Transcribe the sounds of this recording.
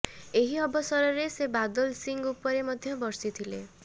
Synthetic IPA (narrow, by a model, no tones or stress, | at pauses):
eɦiɔbɔsɔɾɔɾesebad̪ɔlsiŋɡupɔɾemɔd̪ʱjɔbɔɾsit̪ʰile